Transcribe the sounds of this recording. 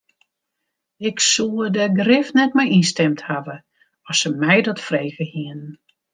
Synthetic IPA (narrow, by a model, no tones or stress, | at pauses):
ɪksudəɡrɪfnɛtmɛjinstɛmthavə | ɔsəmɛjdɔtfrejɣəhiənn